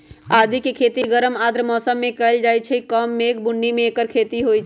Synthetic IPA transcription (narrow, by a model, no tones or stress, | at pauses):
ad̪ʱikekʰet̪iɡəɾəmad̪ɾəmɔːsəmːẽkəɪld͡ʒajt͡ʃʰɛikəmːekbʊnːimẽekəɾkʰet̪iɦojt͡ʃʰ